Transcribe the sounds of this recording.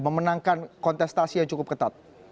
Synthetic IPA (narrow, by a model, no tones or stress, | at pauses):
məmənaŋkankɔnt̪ɛst̪asijaŋt͡ʃukʊp̚kət̪at̪̚